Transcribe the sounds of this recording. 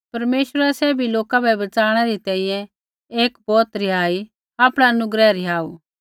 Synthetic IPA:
pɐɾmeːʃwəɾɛsɛːbʱiloːkabɛbɐt͡saːɽ̃ɛɾit̪ɛ̃ːĩjɛ̃ | eːkbɔːt̪ɾɪɦaːi | aːpɽ̃aɐnʊɡɾɛɾɪɦaːuː

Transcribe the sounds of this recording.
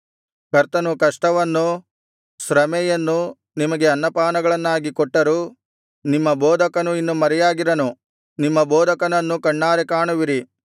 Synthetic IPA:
kɐɾt̪ɐnukɐʂʈɐʋɐnːu | sɾɐmɛjɐnːu | nimɐɡe̞ɐnːɐpaːnɐɡɐɭɐnːaːɡikɔʈːɐɾuː | nimːɐbɔːd̪ʱɐkɐnuinːumɐɾɛjaːɡiɾɐnu | nimːɐbɔːd̪ʱɐkɐnɐnːukɐɳːaːɾekaːɳuʋiɾi

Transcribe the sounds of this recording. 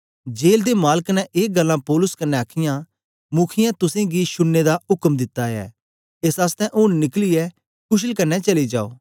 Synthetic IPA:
d͡ʒeːld̪emaːləknɛ̃ʔeːɡɐlːãpɔːlʊskɐnːɛaːkʰɪjã | mʊkʰɪjãt̪ʊsẽɡiʃʊnːed̪aʊkəmd̪ɪt̪ːaɛ̰ː | esaːst̪ɛ̃ʔʊnnɪkliɛ | kʊʃ̬əlkɐnːɛt͡ʃɐlid͡ʒa̰ːo̰ː

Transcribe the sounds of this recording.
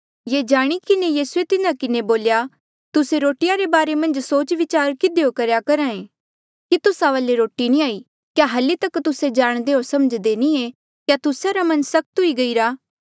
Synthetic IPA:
jeːd͡ʒaːɽ̃ikɪnejiːsuet̪ɪnãkɪneboːlja | t̪ʊseɾoːʈɪjaɾebaːɾemɐ̃nd͡ʒsoːt͡ʃʋɪt͡ʃaːɾkɪd̪ejokɐɾjakɐɾãːẽ | kit̪ʊsaʋaːleɾoːʈinĩaːi | kjaɦɐlit̪ɐkt̪ʊsed͡ʒaːɽ̃d̪eɦoɾsɐməd͡ʒd̪eːnĩe | kjat̪ʊsaɾamɐ̃nsɐk̚t̪ɦʊiɡɐiɾaː

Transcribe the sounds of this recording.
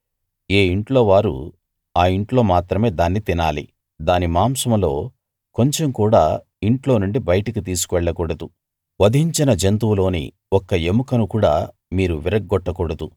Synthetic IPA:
e̞ːiɳʈlo̞ːʋaːɾṵ | aːiɳʈlo̞ːmaːt̪ɾɐme̞ːd̪aːnːit̪inaːlḭ | d̪aːnimaːmsɐmɐlo̞ː | ko̞ɲt͡ʃe̞mkuːɽaː | iɳʈlo̞ːnuɳɖibɐjɐʈɐkit̪iːs̬u̥kuʋɛɭːɐkuɽɐd̪u | ʋɐd̪ʱiɲt͡ʃinɐd͡ʒent̪uʋlo̞ːnḭ | ɔkːɐemukɐnukuːɽaː | miːɾuʋiɾɐk̚ɡɔʈːɐkɔɽɐd̪u

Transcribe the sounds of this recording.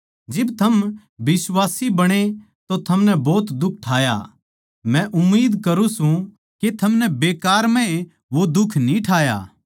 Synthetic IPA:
d͡ʒɪbt̪ʰɐm | bɪswaːsibɐɽ̃e | t̪ot̪ʰɐmnɛbɔːt̪d̪ʊk̚ʰʈʰaːja̰ | mɛ̃ʔʊmːiːd̪kɐɾũsũ | ket̪ʰɐmnɛbeːkaːɾmɛ̃e | ʋod̪ʊkʰnĩʈʰaːja̰ː

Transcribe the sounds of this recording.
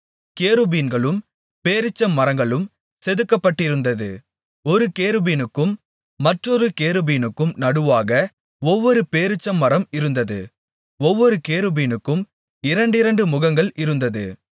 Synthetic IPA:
keːɾɯbiːnɡɐɭɯm | peːɾɪt͡ʃːɐmːɐɾɐŋɡɐɭɯm | sɛðɯkːɐpːɐʈːɪɾɯnd̪ɐðɯ | ɔɾɯkeːɾɯbiːnɯkːɯmː | ɐʈrɔɾɯkeːɾɯbiːnɯkːɯmnɐɽɯʋaːɣɐ | ɔʋːɔɾɯpeːɾɪt͡ʃːɐmːɐɾɐmɪɾɯnd̪ɐðɯ̰ | ɔʋːɔɾɯkeːɾɯbiːnɯkːɯm | ɪɾɐɳɖɪɾɐɳɖɯmʊɣɐŋɡɐɭʔɪɾɯnd̪ɐðɯ̰

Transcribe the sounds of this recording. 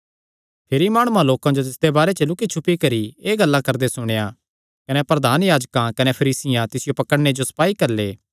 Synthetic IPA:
pʰeɾimaːɽ̃uãloːkãd͡ʒot̪̬ɪsd̪ebaːɾet͡ʃɐlʊkit͡ʃʰʊpːikɐɾieːɡɐlːãkɐɾd̪esʊɽ̃ejã | kɐnɛpɾɐd̪ʱaːnjaːd͡ʒkãkɐnepʰɐɾiːsɪjãt̪ɪsɪjopɐkəɽned͡ʒosɐ̥paːikɐɾleː

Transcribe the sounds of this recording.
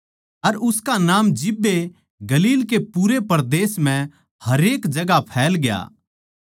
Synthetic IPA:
ɐɾʊskanaːmd͡ʒɪbːe | ɡɐliːlkepuɾepɐɾd̪eːsmɛ̃ | hɐɾeːkd͡ʒɐɡapʰɛːlɡja̰ː

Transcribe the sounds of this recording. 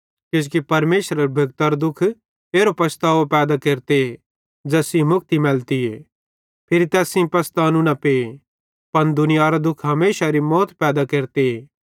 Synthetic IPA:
ked͡ʒkipɐɾmeːʃɾəɾbʱɐɡ̚t̪əɾd̪ʊkʰ | eːɾopɐst̪aːʋpɛːd̪akeːɾt̪e | d͡ʒɛːsĩmʊk̚ʰt̪imɛlt̪ieː | pʰɪɾit̪ɛːsĩpɐst̪anũnɐpe | pɐnd̪ʊnɪjaːɾad̪ʊkʰɦɐmeːʃaɾimɔːt̪pɛːd̪akeːɾt̪eeː

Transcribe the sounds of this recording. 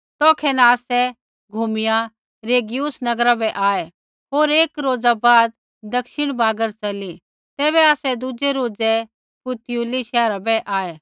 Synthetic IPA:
t̪ɔːkʰɛnaaːsɛ | ɡʱumɪja | ɾeːɡijusnɐɡɾabɛʔaːɛ | ɦoːɾeːkɾoːd͡zabaːd̪̚ | d̪ɐkʃɪɽ̃baːɡəɾt͡ʃɐli | t̪ɛːβɛaːsɛd̪ud͡ʒeɾoːd͡zɛ | pʊt̪ɪjuliʃɛːɾabɛʔaːɛ

